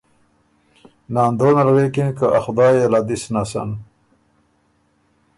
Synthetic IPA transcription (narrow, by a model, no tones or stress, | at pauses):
nɑːnd̪onalwekinkaʔaxd̪ɑːjelad̪isnasa̰n